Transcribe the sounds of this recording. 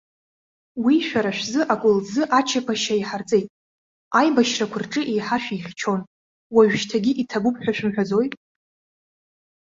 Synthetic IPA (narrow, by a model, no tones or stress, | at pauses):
wiʃᶣaɾaʃʷᶣzɨʔakʷʼʊld͡zɨʔat͡ʃʰapʰaʃaiħart͡sʼe̞jtʼ | ajbaʃrakʷʰʊrʈ͡ʂʼɨʔejħaʃᶣijχʲt͡ʃʰo̞n | waɥᶣʃtʰaɡʲiʔitʰabupʰʼħᶣʷaʃᶣɪmħᶣad͡zo̞jtʼ